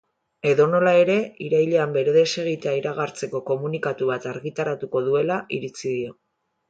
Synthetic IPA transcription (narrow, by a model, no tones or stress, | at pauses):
e̞ðo̞no̞lae̞ɾe̞iɾajʎe̞ambe̞ɾe̞ðe̞se̞ɣ̞it̪eaiɾaɣ̞aɾt͡se̞ko̞ko̞munikat̪uβat̪aɾɣit̪aɾat̪uko̞ðue̞laiɾit͡siðio̞